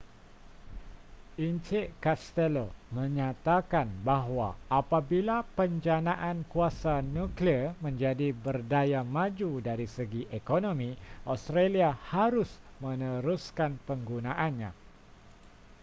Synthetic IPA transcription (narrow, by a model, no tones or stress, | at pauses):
ʔint͡ʃɪʔkast̪ɛlomə̃ɲãt̪akanbaɦwaʔːpabilapəɲd͡ʒanãʔankuasanũklimə̃ɲd͡ʒadibərdajamãd͡ʒudaɾisəɡiʔekonõmĩʔost̪ɾaliahaɾʊs | mə̃nə̃ɾuskanpəŋɡunãʔanɲã̰